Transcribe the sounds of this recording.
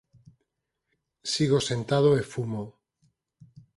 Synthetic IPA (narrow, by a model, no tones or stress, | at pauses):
siɣosent̪að̞oefumo